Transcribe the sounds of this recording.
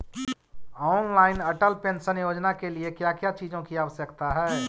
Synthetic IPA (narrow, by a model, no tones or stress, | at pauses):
ɔːnlaːɪnəʈəlpensənjoːd͡ʒnakeliekjakjat͡ʃiːd͡ʒõkiaːʋəsjəkt̪aɦɛː